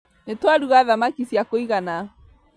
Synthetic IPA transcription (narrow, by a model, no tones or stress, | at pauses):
netwaɾuɣaðamakisjakoiɣana